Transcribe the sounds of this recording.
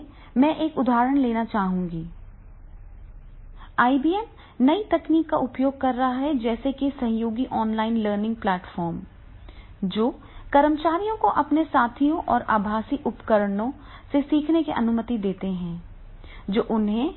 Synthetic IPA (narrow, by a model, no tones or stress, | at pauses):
mɛ̃ːʔeːkʊd̪ʱaːɾəɽ̃leːnat͡ʃaːɦũːŋɡiː | aːibiːɛnː | ɐit̪ɐkniːkːa̰ʔʊpjoːɡ̚kɐɾːɐɦaɦɛd͡ʒɛːsekisɐ̃ɦjoːɡiʔɔːnlaːɪnləːɾnɪ̃ŋɡ̚plɛːʈfɔːɾm | d͡ʒoː | kɐɾəmt͡ʃaːɾijõkoʔɐpnesaːt̪ʰijõʔɔːɾa̰ːbʱaːsiʔʊpkəɾəɽõ | sesiːkʰnekiʔɐnʊmət̪id̪eːt̪eɦɛ̃ː | d͡ʒoːʔʊnɦẽ